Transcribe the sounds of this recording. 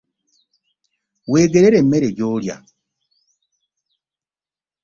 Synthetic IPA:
weːɡeɾeɾemeɾeɟoɾja̰

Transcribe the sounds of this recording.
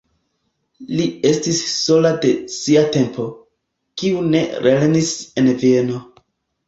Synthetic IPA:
lie̞stisːo̞lade̞siate̞mpʰo̞ | kiune̞ɾelenisenvie̞no̞

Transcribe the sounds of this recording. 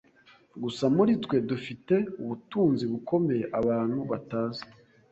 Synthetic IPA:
ɡusamuɾitkwe̞dufite̞uβutuːnziβuko̞me̞je̞ʔaβaːn̥huβataːzḁ

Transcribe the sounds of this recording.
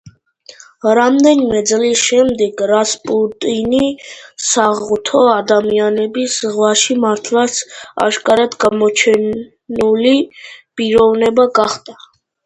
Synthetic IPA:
ɾamd̪ɛnimɛd̪zlisʃɛmd̪ɛɡɾaspʼut̪ʼinisaʁut̪ʰɔad̪amianɛbisʁwaʃimaɾt̪ʰlat̪sʰa̰ʃkʼaɾad̪ɡamɔt͡ʃʰɛn | ulipʼiɾɔvnɛbaɡaχd̪ʼa

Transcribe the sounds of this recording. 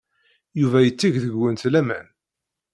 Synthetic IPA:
juvæjət͡sːiʝðəɡːənt̪læmæ̰n

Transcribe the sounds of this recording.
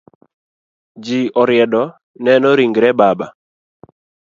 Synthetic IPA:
d͡ʒiɔɾɪɛdɔ | nɛnɔɾiŋɡɾɛbaba̰

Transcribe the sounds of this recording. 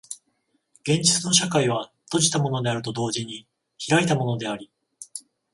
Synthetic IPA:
ɡ̥ẽ̞ɲ̟d͡ʑit͡sɨno̞ɕakaiβ̞at̪o̞ʑi̥t̪amo̞no̞d̪e̞aɾɯ̟t̪o̞d̪o̞ːʑiɲ̟i | çiɾait̪amo̞no̞d̪e̞aɾʲi

